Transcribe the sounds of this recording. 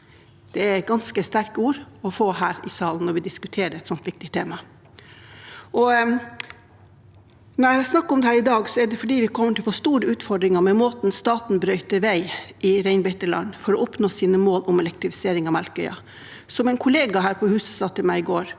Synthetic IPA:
d̪̥ɛæɛɡɑnskəst̪æɾkuːɾɔfoːɦæːɾɪsɑːln̩nɔɾʋɪd̪ɪskʉt̪ʰeːɾəɛt̪sɔnt̪ʋɪk̚t̪ɪt̪ʰeːmɑ | ʔɔ | nɔɾæɑsnɑkːɔmd̪ɛhæːɾɪd̪ɑːɡsɔɛɖ̪ɛfɔɖiːʋɪkʰɔmːəʈʰɪlfɔʂt̪uːɾəʉːt̪fɔɖɾɪŋɑmɛmoːt̪nst̪ɑːt̪nbɾœʏt̪əʋæɪʔɪɾæɪnbɛɪt̪əɭɑ̰nːfɔɾɔɔpnoːsiːnəmoːlʔʊmɛlɛk̚t̪ɾɪfɪ̥seːɾɪŋɑʋmælkœʏɑ̰ | sɔmæɪnkʰʊleːɡɑɦæːɾpʰɔhʉːsə̥sɑːt̪ʰɪlmæɪɪɡoːɾ

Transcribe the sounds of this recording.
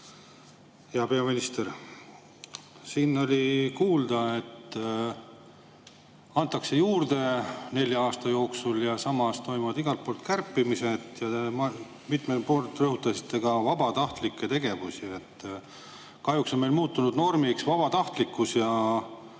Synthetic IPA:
eɑpeɑminist̪er | sinːo̞lʲikuːld̪̥ɑe̞t̪ː | ɑnt̪ˑːɑkse̞juːrd̪̥e̞ne̞lʲjɑɑːst̪ɑjo̞ːksuljɑsɑmɑst̪o̞jmuvɑd̪iɡ̥ɑlt̪̚polt̪kærpːimise̞t̪jɑd̪emɑ | mit̪mepoːrt̪ːrɤɦut̪ːˑɑsi̥t̪ːˑe̞ɡ̥ɑvɑb̥ɑt̪ɑht̪likːe̞t̪e̞ɡ̥e̞vusie̞t̪ː | kɑɦjukso̞nmejlmuːt̪ːˑunud̪no̞rmiksvɑb̥ɑt̪ɑht̪likːˑusjɑ

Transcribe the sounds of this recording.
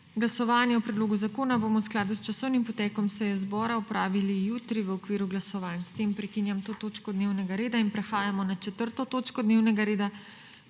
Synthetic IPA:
ɡlasɔʋaːnjɛɔpɾɛd̪loːɡuzakoːnaboːmɔwsklaːd̪ust͡ʃasɔwnimpɔt̪ɛːkɔmsɛjɛzbɔːɾaɔpɾaːʋilijuːt̪ɾiʋəɔkʋiːɾuɡlasɔʋaːnst̪empɾɛkinjamt̪oːt̪oːt͡ʃkɔd̪neːwnɛɡaɾeːd̪ainpɾɛxaːjamɔnat͡ʃɛt̪əɾt̪ɔt̪oːt͡ʃkɔd̪neːwnɛɡaɾeːd̪a

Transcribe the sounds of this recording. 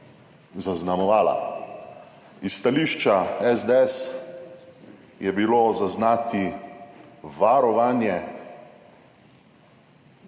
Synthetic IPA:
zaznamɔʋaːla̰ | ist̪aliːʃt͡ʃaɛzd̪ɛɛs | jɛbilozaznaːt̪i | ʋaɾɔʋaːnjɛ

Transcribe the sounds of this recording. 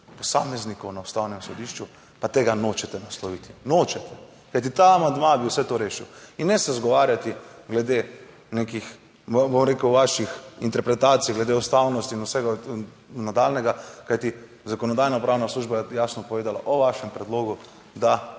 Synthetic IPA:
pɔsaːmɛznikɔwnaʊst̪awnɛmsɔd̪iːʃt͡ʃu | pat̪eːɡanoːt͡ʃɛt̪ɛnaslɔʋit̪i̥noːt͡ʃɛt̪ɛ | kajt̪̬it̪aːmand̪mabiwsɛt̪oɾeːʃiwinːɛsɛzɡɔʋaːɾjat̪iɡlɛd̪e | nekix | bomɾeːkəwʋaʃixint̪ɛɾpɾɛt̪aːt̪sijɡlɛd̪eust̪awnɔst̪inusɛɡa | nad̪alnɛɡakajt̪i | zakɔnɔd̪ajnapɾaːwnasluːʒbajasnɔpɔʋeːd̪alaʔɔʋaʃɛmpɾɛd̪loːɡu | d̪a

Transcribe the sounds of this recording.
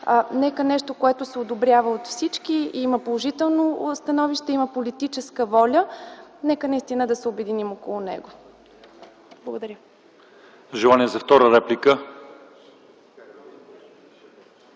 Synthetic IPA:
anɛkənɛʃt̪okoɛt̪ʊsɛod̪obɾʲjavəot̪fsit͡ʃkiiiməpolˠoʒit̪ɛlˠnost̪ɐnɔviʃt̪ɛiməpolit̪it͡ʃɛskəvɔlʲənɛkənɐist̪inəd̪ɐsɛobɛd̪inimokolˠʊnɛ̰ɡo | blˠəɡod̪ɐɾʲjə | ʒɛlˠaniɛzɐft̪ɔɾəɾɛplʲikə

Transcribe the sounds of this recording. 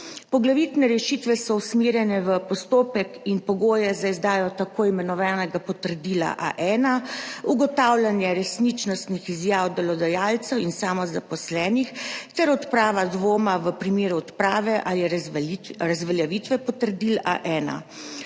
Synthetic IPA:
pɔɡlaʋit̪nɛɾɛʃit̪ʋɛsɔusmeːɾjɛnɛʋəpɔst̪oːpɛkinpɔɡoːjɛzaizd̪aːjɔt̪akoːimɛnɔʋaːnɛɡapɔt̪əɾd̪iːla̰ʔa̰ʔɛːnauɡɔt̪awlʲjanjɛɾɛsnit͡ʃnɔst̪nixizjaːwd̪ɛlɔd̪ajaːlt̪sɛwinsaːmɔzapɔslɛːnixt̪ɛɾɔt̪pɾaːʋad̪ʋoːmaʋəpɾimeːɾuɔt̪pɾaːʋɛʔalijɛ | ɾazʋɛljaʋit̪ʋɛpɔt̪əɾd̪iːla̰ʔɛːna̰

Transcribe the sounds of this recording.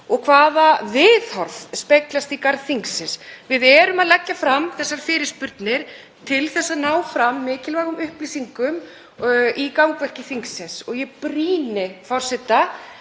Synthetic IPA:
ɔɣkʰvaːðavɪðhɔɾθspejklast̪ikaɾðθiŋksɪnsvɪðɛːɾʏmaðlɛcːafɾamθɛsːaɾ̥fɪːɾɪ̥spʏɾt̪nɪɾ̥ | t̪ʰɪlθɛsːanaːwfɾamːɪːcɪlvaːɣʏmʏhplisiŋkʏm | ikawkvɛr̥cɪθiŋksɪnsɔɣjɛpɾiːnɪfɔwɾ̥sɛt̪a

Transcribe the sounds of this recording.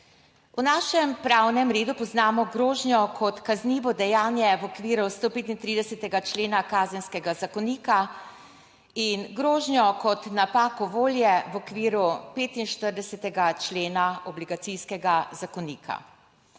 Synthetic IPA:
unaːʃɛmpɾawnɛmɾeːd̪upɔznaːmɔɡɾoːʒnjɔkʰɔt̪kazniːʋɔd̪ɛjaːnjɛʋɔkʋiːɾust̪oːpeːt̪int̪ɾid̪ɛsɛt̪ɛɡat͡ʃleːnakaːzɛnskɛɡazakɔniːka | inɡɾoːʒnjɔkɔt̪napaːkɔʋoːljɛʋɔkʋiːɾupeːt̪inʃt̪əɾd̪ɛsɛt̪ɛɡat͡ʃleːnaɔbliɡat̪siskɛɡazakɔniːkʰa̰

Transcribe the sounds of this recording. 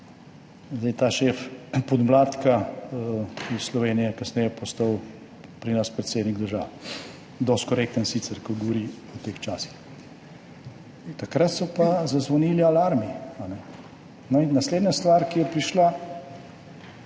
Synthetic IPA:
zd̪ɛjt̪aːʃeːfpɔd̪mlaːt̪ka | slɔʋeːnijɛkɐsnɛjɛpɔst̪aw | pɾinaspɾɛt̪sed̪niɡd̪əɾʒa̰ːʋ | d̪ɔst̪̚kɔɾek̚t̪ənsit̪sɛɾkɔɡɔʋɔɾiɔt̪eːxt͡ʃaːsi̥x | t̪akɾat̪sɔpazazʋɔniːlialaɾmianɛ | nɔinːɐsleːd̪nast̪ʋaɾkijɛpɾiʃla

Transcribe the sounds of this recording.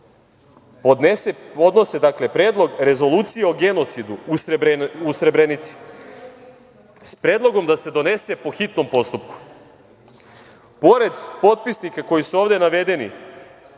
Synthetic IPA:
po̞d̪neseo̞d̪no̞se̞d̪akle̞pɾeːd̪lˠo̞ɡɾe̞zo̞lˠuːt̪sijeo̞ɡe̞no̞t̪sid̪uususɾe̞bɾenit̪si̥ | spɾeːd̪lˠo̞ɡo̞md̪ase̞d̪o̞ne̞se̞po̞xit̪no̞mpo̞st̪upku̥ | po̞ɾe̞d̪po̞t̪̚pisnikako̞jisuo̞ːʋd̪e̞naʋe̞d̪e̞nḭ

